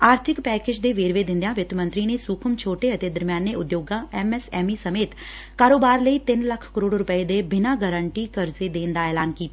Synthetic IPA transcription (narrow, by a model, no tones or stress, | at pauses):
aːɾt̪ʰɪkpɛːkeːd͡ʒd̪eːʋeːɾʋeːd̪ɪ̃nd̪jãːʋɪt̪mə̃nt̪ɾiːneːsuːkʰəmt͡ʃʰoːʈeːət̪eːd̪əɾmjaːnːeːʊd̪joːɡãːʔɛːmɛːsɛːmiːsəmeːt̪ | kaːɾoːbaːɾləiːt̪ɪnləkʰkəɾoːɽɾʊpəeːd̪eːbɪnãːɡəɾəɳʈiːkəɾzeːd̪eːnd̪aːɛːlaːnkiːt̪a